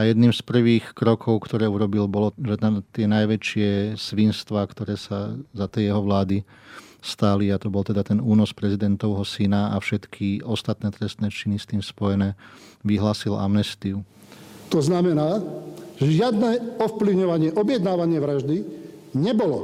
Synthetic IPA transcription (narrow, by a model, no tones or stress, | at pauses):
ajɛd̪niːmspr̩ʋiːxkɾɔkʰɔʊkt̪ɔɾɛːuɾɔbilbɔlɔʒɛt̪at̪ɪɛnajʋɛt͡ʃɪɛsʋinst̪ʋaːkt̪ɔɾɛːsazat̪ɛjɛɦɔʋlaːd̪i | st̪aliat̪ɔbɔlt̪ɛd̪at̪ɛnuːnɔspɾɛzid̪ɛnt̪ɔʊɦɔsinaa̰fʃɛt̪kʰiɔst̪at̪nɛːt̪ɾɛst̪nɛːt͡ʃinist̪iːmspɔjɛnɛːʋiɦlaːsila̰mnɛst̪iu | t̪ɔznamɛnaːʒɛʒɪad̪nɛːɔfpliʊɲɔʋaɲɪɛʔɔbjɛd̪naːʋaɲɪɛʋɾaʒd̪iɲɛbɔlɔ